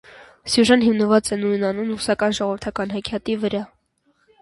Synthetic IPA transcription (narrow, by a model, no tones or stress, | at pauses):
sjuʒɑnɦimnəvɑt͡sɛnujnɑnumrusɑkɑnʒɔʁɔvəɾt̪ʰɑkɑnɦɑkʰjɑt̪ivəɾɑ